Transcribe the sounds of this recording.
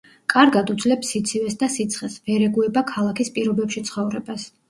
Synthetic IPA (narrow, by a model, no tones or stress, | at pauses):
kʼaɾɡad̪ud̪zlɛpsit̪sʰivɛsd̪asit̪sʰχɛsvɛɾɛɡuɛbakʰalˠakʰispʼiɾɔbɛpʃit̪sʰχɔvɾɛbas